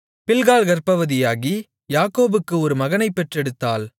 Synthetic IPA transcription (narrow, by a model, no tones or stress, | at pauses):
pɪlɣaːlɣɐɾpɐʋɯðɪjaːɣi | jaːkoːbɯkːɯɔɾɯmɐɣɐnɐɪpːɛʈrɛɽɯt̪ːaːl